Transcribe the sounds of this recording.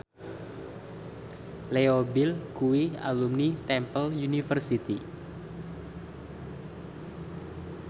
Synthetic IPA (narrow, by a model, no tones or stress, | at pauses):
leobɪlkuwia̰lumnit̪ɛmpəljunifərsit̪i